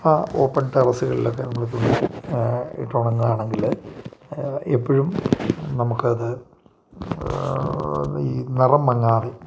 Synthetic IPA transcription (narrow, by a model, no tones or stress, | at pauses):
aːo̞ːpːɐɳʈɐrɐsuɣɐɭḭlo̞kːenɐmːɐɭt̪ːunːɨ | ḭʈːoːɳɐŋːɐaːɳe̞ŋɡil | epːɐɻumnɐmukːɨɐðɨ | iːnirɐmːɐŋːaːðe